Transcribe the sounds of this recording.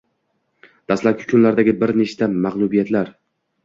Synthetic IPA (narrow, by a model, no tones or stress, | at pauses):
d̪̥aslap̚kʲɪ̥kʲʰʊnlaɾd̪aɡʲɪbɪɾneʃt̪ʰamaʁlˠʊbijat̪laɾ